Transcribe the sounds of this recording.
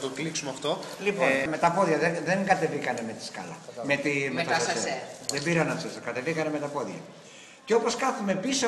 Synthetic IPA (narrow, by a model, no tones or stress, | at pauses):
t̪oɡliksumeɐft̪o̞lipome̞t̪ɐpo̞ðʝɐðeðeŋɡɐt̪e̞vikɐne̞me̞t̪i̥skɐ̰lɐ̰met̪imet̪ɐɐseðebiɾɐnɐsisɐkɐt̪e̞vikɐneme̞t̪ɐpo̞ðʝɐ̰ | ceo̞po̞skɐθume̞piso